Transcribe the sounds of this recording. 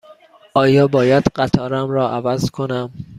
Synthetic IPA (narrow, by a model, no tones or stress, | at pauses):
ʔɒːjɒːbɒːjæd̪̥ɢæt̪ʰɒːɾæmɾɒːʔævæzkʰonæm